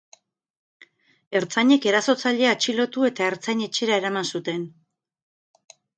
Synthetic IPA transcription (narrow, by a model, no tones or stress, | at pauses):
e̞ɾt͡saɲe̞ke̞ɾaso̞t͡saʎeat͡ʃilo̞t̪ue̞t̪ae̞ɾt͡saɲe̞t͡ʃe̞ɾae̞ɾamansut̪e̞n